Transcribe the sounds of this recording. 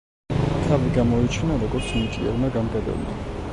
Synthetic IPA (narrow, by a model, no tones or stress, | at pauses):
t̪ʰaviɡamɔit͡ʃʰnalɔkʼɔsmit̪ʼḭɛ̰ɾnaɡanɡad̪ɛ̰bna̰